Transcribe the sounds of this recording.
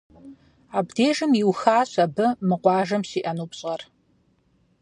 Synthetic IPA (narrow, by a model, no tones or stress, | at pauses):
aːbdeːʒɨmjiwxaːɕɐbɨmɨqʷɑːʒɐmɕiːʔɐnuːpɕʼɐr